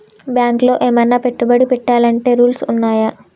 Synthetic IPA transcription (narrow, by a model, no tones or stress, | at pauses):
bjaːŋklo̞ːʔeːmɐnːaːpeʈːubɐɽipɛʈːaːlɐɳʈe̞ːɾuːlsunːaːjɐ